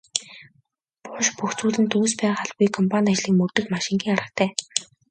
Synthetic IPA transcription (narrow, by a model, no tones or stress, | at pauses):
pʊʃpuxt͡suːɮɘ̆nt̪uːspæːχaɮɣujkʰɔmpʰanʲat͡ɕɮiːkmɵrt̪ɘ̆xmaʃɪ̆ŋɡʲiːŋaɾə̆kt̪ʰæː